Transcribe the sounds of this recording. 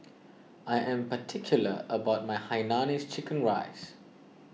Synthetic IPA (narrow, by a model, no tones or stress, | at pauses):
ajʔɛ̃mpətʰɪkʰjuləəbaʊt̚majhaɪnanist͡ʃɪkə̃nɹa̰ɪs